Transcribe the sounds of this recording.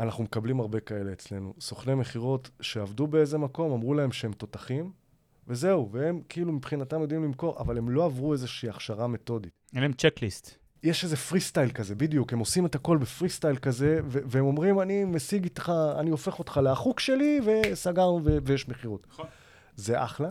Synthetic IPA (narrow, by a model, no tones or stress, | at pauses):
anaχnumekablimaʁbe̞kae̞le̞ːt͡sle̞nṵso̞χne̞me̞χiʁo̞tʃe̞avdube̞e̞ze̞mako̞mamʁulae̞mʃeemt̪o̞taχim | ve̞ze̞uvee̞mkiilumipχinatamjo̞d̪imlimko̞ʁa̰vale̞mlo̞avʁue̞zeʃiːaχʃaʁame̞to̞ditenemt͡ʃeklist̪ | jeʃeze̞fʁistajlkaze̞bidijukhe̞mo̞sime̞tako̞lbefʁist̪ajlkaze̞veveemo̞mʁimanimesiɡit̪χaa̰niofe̞χo̞tχaleaχukʃe̞live̞saɡaʁnuvevejeʃmeχiʁot | zeʔa̰χla